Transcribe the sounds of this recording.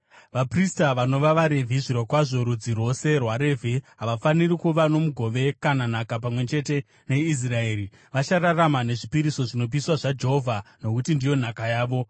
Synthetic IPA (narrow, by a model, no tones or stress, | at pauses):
ʋapristaʋano̞ʋaʋaɾe̞vʱiʐiɾwokwaʐo̞ɾud͡ziro̞se̞rwaɾe̞vʱiɦaʋafanirikuʋano̞muɡʱo̞ʋe̞kanan̤akap̬amwe̞t͡ʃe̞te̞ | ne̞is̬rae̞ːɾi | ʋat͡ʃararamane̞ʐipiɾiso̞ʐino̞p̬iswaʐad͡ʒe̞ɦovʱano̞kutindijo̞n̤akajaːʋo̞